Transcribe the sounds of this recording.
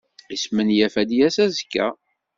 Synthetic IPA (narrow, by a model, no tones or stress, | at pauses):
ismənjæfæd̪jæsæzəkːæ̰